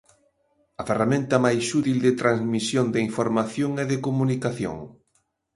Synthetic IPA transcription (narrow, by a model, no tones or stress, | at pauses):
ɐferamẽnt̪ɐmajsʃut̪ild̪ɪt̪ɾãzmisjond̪ɪiɱfoɾmaθjoŋɛðekomunikaθjo̰ŋ